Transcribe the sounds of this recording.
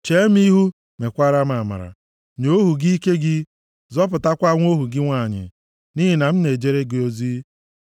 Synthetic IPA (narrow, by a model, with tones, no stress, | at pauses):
t͡ʃe˦m˦i˦ɦu˦ | me˨kʷa˦ɾa˦ma˨ma̰˨ɾa̰˨ | ɲo˦ɦu˨ɡi˦i˦ke˦ɡɪ˦ | zɔ˦p̬ʊ˨ta˦kʷa˦ŋʷo˦ɦu˨ɡɪ˦ŋʷa˦˨ɲɪ̰˨ | ni˦ɦi˨na˨m̩˦ne˨d͡ʒe˦ɾe˦ɡe˨o˨zi˦